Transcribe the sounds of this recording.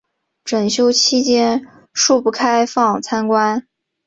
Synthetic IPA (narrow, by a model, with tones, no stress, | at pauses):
ʈ͡ʂə˨˩nɕjo˥ʊt͡ɕʰi˥t͡ɕjɛ˥n | ʂu˥˧pu˥˩kʰa˥ɪfɑ˥˩ŋt͡sʰa˥nkwa˥n